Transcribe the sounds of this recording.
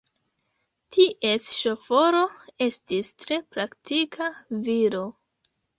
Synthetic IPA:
tʰiʔe̞sʃofo̞ɾo̞e̞stistɾe̞pɾaktikʰaviɾo̞

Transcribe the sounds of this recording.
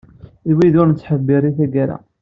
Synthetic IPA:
iwiðʊɾnət͡sːħəbːiɾiθæɡaɾa̰

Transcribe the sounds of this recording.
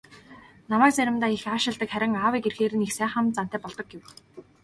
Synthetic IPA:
namæːk̚t͡sæɾʲɪ̆mt̪aːixaːʃɪ̆ɮt̪ə̆kχæɾʲɪ̆ŋaːwiːkerxeːɾɘ̆nixsæːχə̆mt͡san̥t̪æːpɔɮt̪ɞ̆k̚ɡew

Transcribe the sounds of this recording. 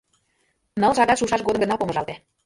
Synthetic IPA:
nɤ̆lʃɑɡ̪ɑʃuʃɑʃɡod̪əmɡə̆nɑpoməʒɑlt̪e

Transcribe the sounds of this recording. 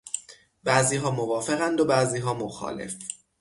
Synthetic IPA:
bæːziːɦɒːmovɒːfe̞ɣænd̪obæziːɦɒːmoxɒ̰ːle̞̰f

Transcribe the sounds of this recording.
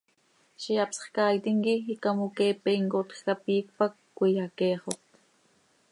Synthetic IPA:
ʃijɑpsχkɑːjit̪iŋkiikamokeːpeŋkot̪xkapiːk̚pakːʷijɑkeːχot̪

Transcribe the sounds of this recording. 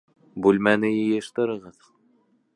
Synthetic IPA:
bʉlmænɘjɘ̆jɤ̆ʃt̪ɤ̆ɾɤ̆ʁɤð

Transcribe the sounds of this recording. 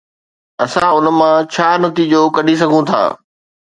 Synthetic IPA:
ɐsãʊn̆mãt͡ɕʰaːnɐt̪iːd͡ʑoːkɐɗis̬ɐɡʱũt̪ʰa̰ː

